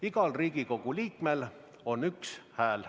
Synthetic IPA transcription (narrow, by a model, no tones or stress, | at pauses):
iɡ̥ɑlriːɡ̥iko̞kuliːkmel | o̞nykshæːl